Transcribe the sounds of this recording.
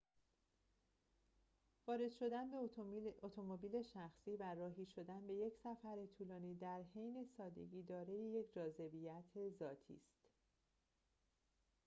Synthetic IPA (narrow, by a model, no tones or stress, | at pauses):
vɒːɾe̞d̪̥ʃo̞d̪ænbeot̪ʰomobiːle̞ʃæxsiːværɒːɦiːʃo̞d̪ænbe̞je̞cʰsæfæɾe̞t̪ʰuːlɒːniːd̪æɾhe̞jne̞sɒːd̪e̞̰ɟiːd̪ɒːɾejeje̞cʰd͡ʒɒːze̞bijæt̪ʰe̞zɒːt̪ʰḭːst̪